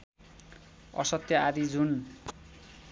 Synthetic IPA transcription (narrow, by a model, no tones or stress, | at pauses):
ʌ̰sʌt̪ːjʌaɾid͡zun